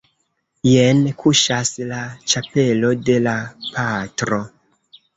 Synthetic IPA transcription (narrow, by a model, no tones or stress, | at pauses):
jenkʰuʃaslat͡ʃape̞lo̞de̞lapʰatɾo̞